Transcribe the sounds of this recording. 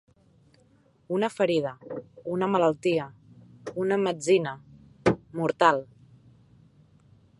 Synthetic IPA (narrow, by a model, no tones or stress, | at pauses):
unəfəɾiðəunəmələlˠt̪iəunəməd͡zinə | muɾt̪alˠ